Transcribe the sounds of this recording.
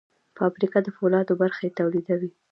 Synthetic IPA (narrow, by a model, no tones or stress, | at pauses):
fɑbɾikad̪əfolɑd̪obaɾxajet̪awlid̪awi